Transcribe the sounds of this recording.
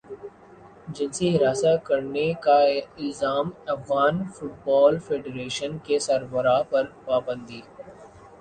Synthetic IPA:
d͡ʒɪnsiɦɪɾaːsakɐɾnekaɪlzaːmɐfɣaːnfʊʈ̚bɔːlfʰeːɖeɾeːʃənkesɐɾbəɾapɐɾpaːbə̃nd̪ʱiː

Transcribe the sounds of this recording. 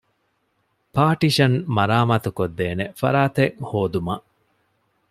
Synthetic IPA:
paːʈiʃɐnmɐɾaːmɐt̪ukod̪ːeːnefɐ̰ɾaːt̪eŋhoːd̪umɐʔ

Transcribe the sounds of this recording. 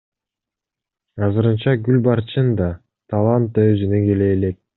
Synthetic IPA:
ɑzɯɾɯnt͡ʃɑɡylʲbɑɾt͡ʃɯnd̪ɑ | t̪ʰalˠant̪̚ːɑøzynyɡe̞le̞ːle̞k̚

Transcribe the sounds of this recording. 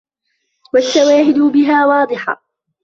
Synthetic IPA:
waʃːawaːɦɪd̪ʊbɪɦaːwɑːd̪ˤɨħɑ̰

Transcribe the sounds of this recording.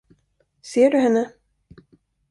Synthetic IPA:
seːɖɵɦɛnːə

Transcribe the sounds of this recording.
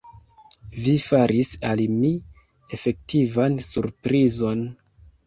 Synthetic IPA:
vifaɾʔisalimi | e̞fe̞k̚tʰivansuɾpɾizo̞n

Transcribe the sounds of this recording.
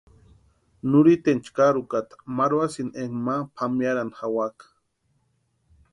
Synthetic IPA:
nuɾit̪ent͡ʃkaɾukat̪ḁmaɾwasinʔeŋmapʰamjaɾanxawakḁ

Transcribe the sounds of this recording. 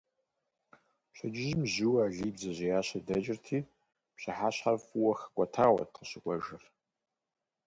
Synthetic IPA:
pɕʰɐd͡ʒɪʒmzuwaːɮiːbzɐʑijaːɕɐdɐt͡ʃʼɪrtʰiː | pɕɨħaːɕħafuwɐxə̥kʷʼɔtʰaːwɐ̰t̚qəɕɨkʷʼɔʒɨr

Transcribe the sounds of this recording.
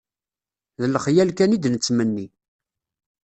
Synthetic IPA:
ðəlχjælkænid̪nət͡sːmənːi

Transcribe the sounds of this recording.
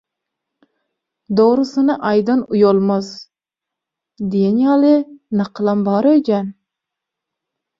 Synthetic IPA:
d̪oʁɾɨsɨnɑʔɑjd̪ɑnujolˠmɑz | d̪ejenjɑːlɪnɑqʰlˠɑnbɑɾøjd͡ʒɛn

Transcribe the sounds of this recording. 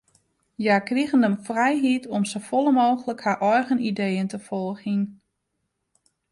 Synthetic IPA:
jakriɣəndəmfrɛjɦitʰɔmsofɔlˠəmoːɣələkharʔɔjɣənidejəntəfɔlˠɣin

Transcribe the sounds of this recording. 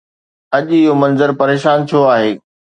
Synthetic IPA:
ɐʄɪɦomɐ̃nzəɾpɐɾeːʃaːnt͡ɕʰoaːɦeː

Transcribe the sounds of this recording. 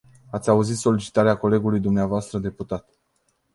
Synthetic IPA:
at̪sʲauzit̪so̞lit͡ʃi̥t̪aɾeako̞le̞ɡulujd̪umneavoast̪ɾəd̪e̞put̪at̪

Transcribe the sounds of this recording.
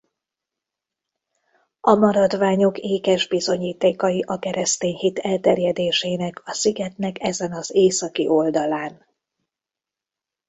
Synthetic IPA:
ɒmɒɾɒd̪ʋaːɲo̞keːkɛʒbizo̞ɲiːt̪eːkɒjiʔɒkɛɾɛst̪eːɲhit̪ʰɛlt̪ɛrjɛd̪eːʃeːnɛkʰɒsiɡɛt̪nɛkɛzɛnɒzeːsɒkiʔo̞ld̪ɒlaːn

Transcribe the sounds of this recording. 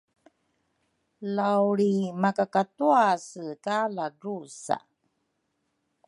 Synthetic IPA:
lawɾimakakatuasəkalaɾusa̰

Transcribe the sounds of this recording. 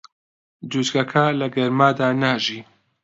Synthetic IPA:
d͡ʒuːd͡ʒɡɐkʰɐlɐɡɐɾmaːd̪aːnaːʒiː

